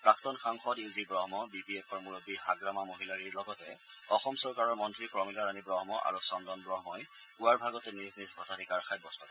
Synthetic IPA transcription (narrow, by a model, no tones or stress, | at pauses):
pɹaktɔnxaŋxɔdizibɹɔɦmɔbipiɛpʰɔɹmuɹobihaɡɹamamoɦilaɹiɹlɔɡɔtɛ | ɔxɔmsɔɹkaɹɔɹmɔntɹikɹɔmilɔɹanibɹɔɦmɔʔa̰ɹusɔndɔnbɹɔɦmɔj | puaɹbʱaɡɔtɛniznisbʱɔtʰatikaɹxajbɔstɔkɔ